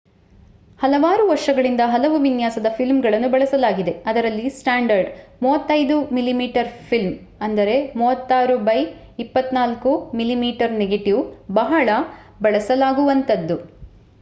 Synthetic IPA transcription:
hɐlɐʋaːɾuʋɐɾʂɐɡɐɭind̪ɐɦɐlɐʋuʋinjaːsɐd̪ɐpʰilmɡɐɭɐnːubɐɭɐsɐlaːɡid̪e̞ɐd̪ɐɾɐlːisʈaːɳɖɐɾɖmuːʋɐt̪ːɐjd̪umilimiːʈɐɾpʰilm | ɐnd̪ɐɾe̞muːʋɐt̪ːaːɾubɐj | ipːɐt̪ːnaːlkumilimiːʈɐɾneɡeʈiʋbɐɦɐɭɐ | bɐɭɐsɐlaːɡuʋɐnt̪ɐd̪ːu

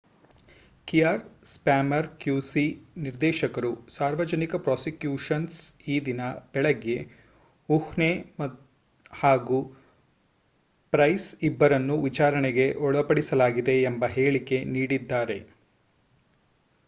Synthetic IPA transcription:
kijaːɾspaːmɐɾkjuːsiniɾd̪ɛːʃɐkɐɾusaːɾʋɐd͡ʒɐnikɐpɾaːsikjuːʂɐnsiːd̪inɐb̥ɛɭɐɡe | uhnem | haːɡu | pɾɐjsibːɐɾɐnːuʋit͡ʃaːɾɐɳeɡe̞ʔɔɭɐpɐɽisɐlaːɡid̪e̞ːmbɐɦeːɭike̞niːɽid̪ːaːɾe̞

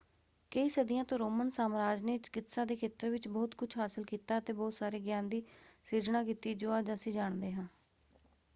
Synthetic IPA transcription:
kəiːsəd̪ɪjãːt̪õːɾoːmənsaːmɾaːd͡ʒneːt͡ʃɪ̥kɪt̪sãːd̪eːkʰeːt̪əɾʋɪt͡ʃbɔːt̪kʊt͡ʃʰɦaːsəlkiːt̪aːət̪eːbɔːt̪saːɾeːɡjãːnd̪iːseːd͡ʒnãːkiːt̪iːd͡ʒoːaːd͡ʒəsiːd͡ʒaːɳd̪eːɦãː

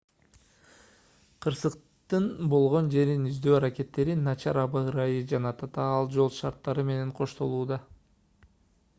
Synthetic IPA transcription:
qʰɯɾsɯq | t̪ɯnbo̞lˠʁo̞nd͡ʒe̞ɾinyzd̪ø̞ːɑɾake̞t̪ːe̞ɾinːɑt͡ʃɑɾɑbɑɯɾɑjɯd͡ʒɑnɑt̪ʰɑt̪ɑɑlˠd͡ʒo̞lˠʃɑɾt̪ːɑɾɯme̞ne̞ɴqʰo̞ʃt̪o̞lˠuːd̪ɑ

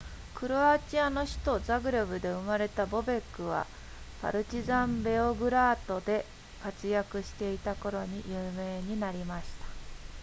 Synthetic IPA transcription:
kɯ̟ɾo̞at͡ɕiano̞çi̥t̪o̞zaɡɯ̟ɾobɯ̟d̪e̞ɯ̟maɾe̞t̪abo̞be̞kːɯ̟βa̰ | pa̰ɾɯ̟t͡ɕizãmbe̞o̞ɡɯ̟ɾaːt̪o̞d̪e̞ | kat͡sɨjakɯ̟ɕi̥t̪e̞it̪ako̞ɾo̞ɲ̟ijɯːme̞ːɲ̟inaɾʲimaɕi̥t̪ḁ

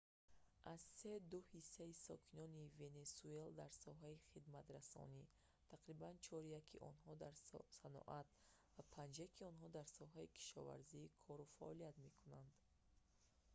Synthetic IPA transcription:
ʔaz̥se̞d̪uhisːaisɔkʰinɔnive̞ne̞sue̞ld̪aɾsɔɦaiχid̪mat̪ɾasɔ̰ni | t̪ʰaqɾibant͡ʃʰɔɾijakʰiʔɔ̰nɦɔd̪aɾsanɔ̰ʔat̪̚ | vapʰand͡ʒjakʰiɔnɦɔd̪aɾsɔɦaikʰi̥ʃɔ̰va̰ɾzikʰɔɾufaʔɔlijat̪me̞kʰunand̪

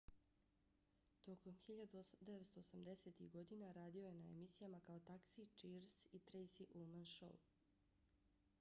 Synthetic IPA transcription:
t̪o̞ko̞mxiʎad̪ud̪eʋet̪st̪o̞ːsamd̪e̞se̞t̪iɣɡo̞d̪inaɾaːd̪ioje̞naḛmisijamakao̞t̪aksit͡ʃiɾsit̪ɾejsiʔulmanʃo̰w

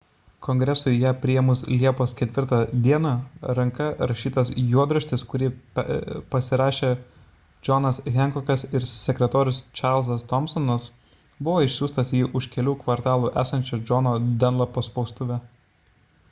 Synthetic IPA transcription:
kɔŋʲɡɾʲɛsʊjæːpʲɾʲɪjɛmʊslʲiɛpoːskʲɛt̪ʲʋʲɪɾt̪ɑd̪ʲiɛnɑɾɐŋkɐɾɐʃʲiːt̪ɐsjuɔd̪ɾuʃʲt̪ʲɪskʊɾʲɪ | pɐsʲɪɾɑːʃʲeː | d͡ʒɔnɐsɣʲɛŋkɔkɐsɪɾsʲɛkʲɾʲɛt̪oːɾʲʊst͡ʃɑɾlˠzɐst̪ɔmsɔnɐs | bʊʋoːɪʃʲsʲuːst̪ɐsjiːʔʊʃkʲɛlʲuːkʋɐɾt̪ɑːlˠuːʔæ̰ːsɐnʲt͡ʃʲod͡ʒɔnoːd̪ʲɛnlˠɐpɐspɔʊst̪ʊʋʲɛ

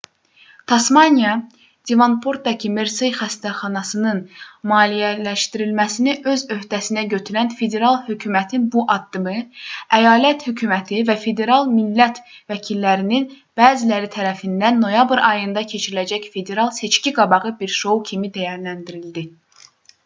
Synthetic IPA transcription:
t̪ʰɑsmɑnjɑ | d̪̥evɑnpʰoɾt̪̚d̪ɑcʰimeɾsɯjxæst̪æχɑnɑsɯnɯnmɑːlijælæʃt̪iɾilmæsiniʔø̞zø̞hd̪æsinæɟø̞t̪ʰyɾænfe̞d̪e̞ɾɑlˠhøcʰymæt̪ʰinbuʔɑd̪ːɯmɯæjɑːlæt̪hycʰymæt̪ʰivæfe̞d̪e̞ɾɑlˠmilːæt̪ | væcʰilːæɾinin | b̥æːzilæɾit̪ʰæɾæfind̪ænːo̞jɑbɾɑjɯnd̪ɑcʰe̞t͡ʃʰiɾilæd͡ʒæcfe̞d̪e̞ɾɑlˠse̞t͡ʃciɡɑbɑʁɯbiɾʃo̞wcʰimid̪æjæɾlænd̪iɾild̪i

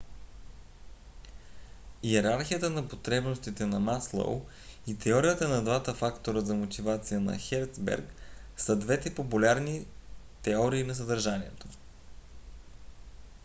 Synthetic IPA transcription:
iɛɾaɾxijət̪ənɐpot̪ɾɛbnost̪it̪ɛnɐmaslˠo̰w | it̪ɛɔɾijət̪ənɐd̪vat̪əfakt̪oɾəzɐmot̪ivat̪sijənɐ̰xɛɾt̪sbɛ̰ɾksəd̪vɛt̪ɛpopulʲaɾni | t̪ɛɔɾiːnɐs̬əd̪əɾʒaniɛt̪o̥

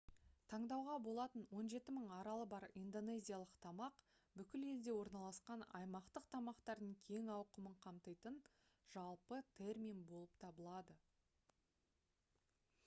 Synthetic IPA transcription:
t̪ʰɑɴd̪ɑwʁɑbo̞lˠɑt̪ənwo̞nʒe̞t̪ɪməɴɑɾɑlˠəbɑɾind̪o̞ne̞zʲijalˠəqt̪ʰɑmɑq | bʏkʲɪle̞ld̪e̞wo̞ɾnɑlˠɑsqɑnɑ̰jmɑqt̪əqt̪ʰɑmɑqt̪ɑɾd̪əɴkʲʰe̞ŋɑwqəməɴqʰɑmt̪əjt̪ən | ʒ̥ɑlˠpət̪ʰe̞rmʲijnbo̞lˠəpt̪ʰɑbəlˠɑd̪ə

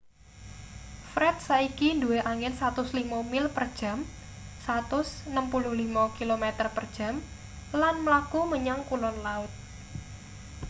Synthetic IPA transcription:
fɾɛt̪̚saikinduweʔaŋɪnsat̪ʊslimamɪlpərd̥ʒ̥a̤m | sat̪ʊsnəmpulʊhlimakilomet̪ərpərd̥ʒ̥ä̤m | lanməlakuməɲaŋkulɔnlaʊt̪̚

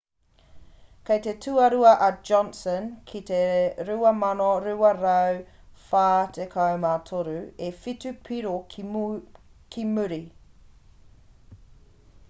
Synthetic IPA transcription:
kʰejtetʰʉɐɾuɐʔɐd͡ʒɔnsənkʰit̪eɾʉɐmɐnoɾʉɐɾɐw | faːtʰekʰɐwmatʰoɾʉefitʉpʰiɾo | kʰimʉɾi

